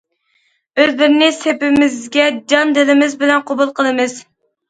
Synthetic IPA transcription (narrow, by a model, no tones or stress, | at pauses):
øzlɪɾɪnɪsepɪmɪzɡʲɛd͡ʒɑnd̪ɪlɪmɪzbɪlɛnqʰobulˠqʰəlˠɨmɨz̥